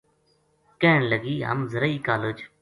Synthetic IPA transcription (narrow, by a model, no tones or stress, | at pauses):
keːɳləɡiːɦə̰mzəɾəiːkaːləd͡ʒ